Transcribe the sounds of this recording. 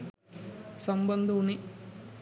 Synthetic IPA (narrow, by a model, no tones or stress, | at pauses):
sɐmbɐnd̪uni